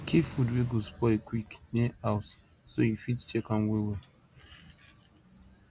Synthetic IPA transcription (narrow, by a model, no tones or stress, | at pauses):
kʰifudweɡospʰɔekʰwiknɛaʊs | sojifitt͡ʃɛkãnwewe